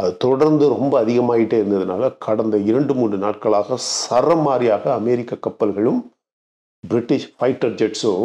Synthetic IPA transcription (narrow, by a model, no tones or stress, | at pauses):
ɐðɯt̪ɔɽɐɾnd̪ɯɾɔmbɐːðɪɣɐmaːjɪʈːeːɪɾɯnd̪ɐðɯna̰ːlɐkʰɐɽɐnd̪ɐɪɾɐɳɖɯmuːɳɖrɯna̰ːʈ̚kɐɭaːɣɐsɐrɐmaːɾɪjaːɣɐːmɛːɾɪkːɐkːɐpːɐlɣɐɭɯm | bɾɪʈːɪʂfɐɪʈːɐɾd͡ʒɛʈsɯ